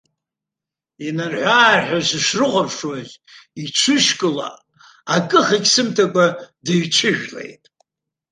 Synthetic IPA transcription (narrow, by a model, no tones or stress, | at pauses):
inarħʷaːħʷᶣazɨʂrɨqʷʼapʰʂwazit͡ʃʷʰɨʃkʼɨla̰ | akʼɨχikʲsɨmtʰakʷʼadeɥt͡ʃʷʰɨʒᶣlḛjtʼ